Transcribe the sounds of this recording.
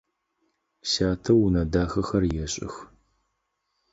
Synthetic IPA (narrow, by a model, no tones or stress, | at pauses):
ɕaːtʰɐwnɐdaːxɐxɐrjɛɕʼɪ̰x